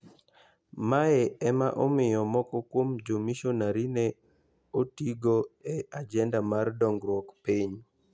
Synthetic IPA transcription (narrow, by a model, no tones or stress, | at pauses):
maɛɛmaʔɔmɪjɔmɔkɔkwomd͡ʒomiʃonaɾine | otiɡoead͡ʒɛndamardɔŋɡɾwɔkpiɲ